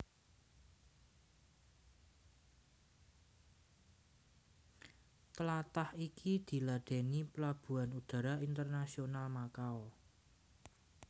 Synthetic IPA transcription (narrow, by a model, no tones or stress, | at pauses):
t̪əlat̪ahikʰid̪̥i̤laɖ̥e̤niplab̥ṳanud̪̥a̤ɾaʔint̪ərnasionalmakaɔ